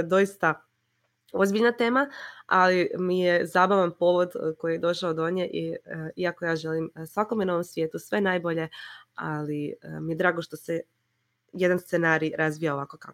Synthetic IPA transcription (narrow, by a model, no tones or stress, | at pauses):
d̪o̞jist̪a | o̞zbiʎnat̪e̞ːmaalimijezabaʋanpo̞ːʋo̞d̪ko̞jijed̪o̞ʃaod̪oɲeʔiiakojaːʒe̞liːmsʋako̞mjeno̞ʋo̞msʋjeːt̪usʋe̞naːjboʎe̞aliəmije̞d̪ɾaːɡo̞ʃt̪o̞se | jed̪anst̪senaːɾiɾazʋijao̞ʋakoka